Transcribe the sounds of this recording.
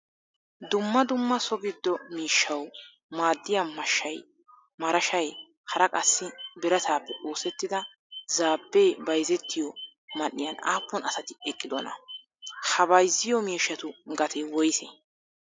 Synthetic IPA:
d̪ʊmːɐd̪ʊmːɐsɔɡɪd̪ːɔmiːʃːɐw | maːd̪ːɪjɐmɐʃːɐj | mɐɾɐʃɐj | hɐɾɐkʼɐsːɪbɪɾɐt̪aːpːɛʔoːsɛt̪ːɪd̪ɐ | zaːbːejbɐjzɛt̪ːɪjɔ | mɐnːɪjɐnaːpːɔnɐsɐt̪ɪɛkʼːɪd̪ɔnɐ̰ | hɐbɐjzːɪjɔmiːʃːɐt̪ʊɡɐt̪ʰɛwɔjsɛ

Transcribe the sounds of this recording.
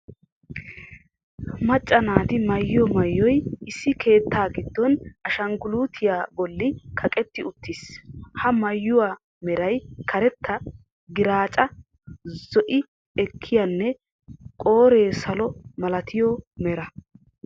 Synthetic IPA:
mɐt͡ʃʼːɐnaːt̪ɪmɐjːɪjɔmɐjːɔjɪsːɪkʰe̞ːt̪ʰːaːɡɪd̪ːɔnɐʃɐŋɡʊluːt̪ʰɪjaːbɔlːɪkʰɐkʼɛt̪ːɪʊt̪ːishɐmɐjːʊwaː | mɛɾɐjkʰɐɾɛt̪ːɐ | ɡɪɾaːt͡ʃʼɐ | zɔʔɪ | ɛkʰːɪjanːɛ | kʼo̞ːɾe̞ːsɐlɔmɐlɐt̪ʰɪjɔmɛɾɐ

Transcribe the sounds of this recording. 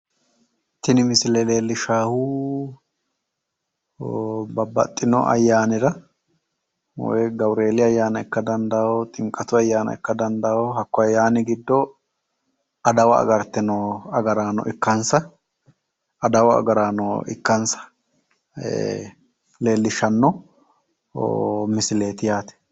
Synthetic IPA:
t̪ɪnɪmɪsɪlele̞ːlːɪʃaːhʊ | bɐbːɐ̰t̪ʼːɪnɔ̰ʔɐ̰jːaːnɪɾɐ | wɔ̰jɡɐbɾe̞ːlɪɐjːaːnɐɛkːɐd̪ɐnd̪awɔt̪ʼɪŋkʼːɐt̪ʊɐjːaːnɐ̰ɛkːɐd̪ɐnd̪ɐwɔɦɐkːɔɐjːaːnɪɡɪd̪ːɔ | ɐd̪ɐwɐ̰ːɡɐɾt̪ɛnɔɐɡɐɾaːnɔ̰ʔɪkːɐnsɐ | ɐd̪ɐwɐɐ̰ɡɐɾaːnɔɪ̰kːɐnsɐ̥ | le̞ːlːɪʃːɐnːɔ | o̰mɪsɪle̞ːt̪ɪjaːt̪ɛ̥

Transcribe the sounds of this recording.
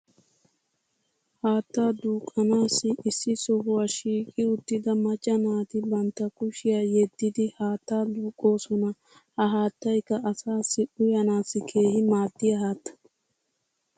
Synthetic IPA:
haːt̪ːaːd̪uːkʼːɐnaːsːɪʔɪsːɪsɔɦʊwaːʃiːkʼɪʊt̪ːɪd̪ɐmɐt͡ʃʼːɐnaːt̪ɪbɐnt̪ːɐkʊʃɪjaːjɛd̪ːɪd̪ɪhaːt̪ːaːd̪uːkʼːo̞ːsɔnɐ | hɐɦaːt̪ːɐjkːɐʔɐsaːsːɪʔʊjɐnaːsːɪkʰe̞ːhɪmaːd̪ːɪjɐhaːt̪ːɐ̥

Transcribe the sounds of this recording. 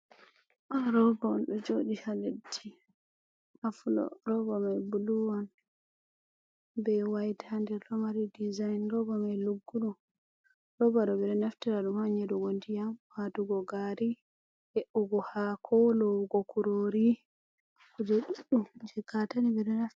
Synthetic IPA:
ʔaɾɔbanɗud͡ʒoɗihaledːi | ʔafulɔ̰ɾɔbɔmajbuluwan | bɛwajtʰandɛɾɗɔmaɾidizajnɾɔbɔmajluɡːuɗu | ɾɔbaɗɔbɛɾɛnaftɛɾaɗumaɲɛduɡondijamhatuɡɔɡaɾi | heʔuɡɔhakʰɔlɔɡɔkuɾoɾi | kɔd͡ʒɛɗuɗumd͡ʒɛɡatanibɛɾɛnaf

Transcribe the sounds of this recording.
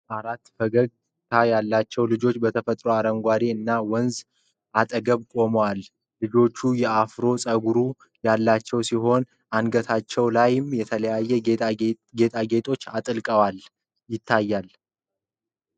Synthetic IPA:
ʔaɾat̪ːfəɡəɡ | t̪ʰajalːat͡ʃːɛwlɨd͡ʒo̞t͡ʃːbət̪ʰəfət̪ʼɾoaɾəŋɡʷaɾiɨnːawɔnz | ʔat̪ʼəɡəβkʼo̞mwal | lɨd͡ʒo̞t͡ʃːujɛafɾo̞sʼəɡuɾu | jalːat͡ʃːɛwsiɦo̞n | ʔanɡət̪ʰat͡ʃːɛwlajɪmjɛt̪ʰələjajːɛ | ɡe̞t̪ʼaɡe̞t̪ʰʼo̞t͡ʃːat̪ʼɨlkʼəwal | jɪt̪ʰːajːal

